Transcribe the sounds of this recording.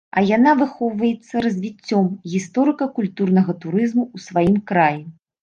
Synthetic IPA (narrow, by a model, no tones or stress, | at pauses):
ɐjanavɨxɔwvɐjɛt̪sːɐɾɐzʲvʲit͡sʲːɔmɣʲist̪ɔɾɨkɐkulʲt̪urn̪ɐɣɐt̪uɾɨzmuusvajimkɾaji